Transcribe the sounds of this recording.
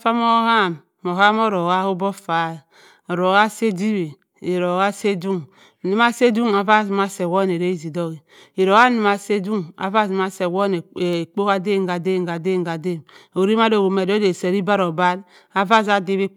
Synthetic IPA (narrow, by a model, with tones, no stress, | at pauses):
fa˦mo˦ha˦˨m | mo˨ɦa˦mo˦ɾo˨ɣa˦hu˦bɔ˦fa˨˦˨ | ɔ˨ɾo˨ɣa˦se˦di˦be˨ | e˨ɾo˨ɣa˦se˦du˦ŋ˨ | ni˨ma˦se˦du˦ŋa˨va˦˨zma˦se˨wɔ˦n˨e˨ɾe˦i˦zi˨do˦ɣi˨ | i˨ɾo˨ɣa˦ni˨ma˨se˦du˦ŋa̰˨va˦˨zma˦se˨wo˦ne˨k͡po˦ka˦de˦˨ŋɡa˨de˦˨ŋ˨ɡa˨de˦˨ŋ˨a˨de˦˨mo˨ɾi˦m˦a˦do˨o˨me˨do˦de˨se˨ɾi˦ba˦ɾo˨ba˦l | a˨va˦za˦di˦be˦